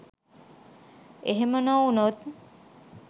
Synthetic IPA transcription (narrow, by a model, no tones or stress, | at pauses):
eɦemənɔunot̪̚